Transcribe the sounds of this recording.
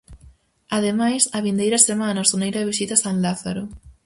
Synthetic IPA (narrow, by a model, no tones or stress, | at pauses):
aðemajsɐβind̪ejɾɐsemanɐsonejɾɐeβisit̪asanlaθaɾʊ